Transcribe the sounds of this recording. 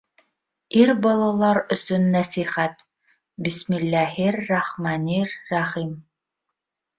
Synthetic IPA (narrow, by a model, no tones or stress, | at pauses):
iɾbɑlˠɑlˠɑɾɵ̆sɵnːæsiχæt̪ | bismilːæɦiɾːɑχmɑnirːɑχim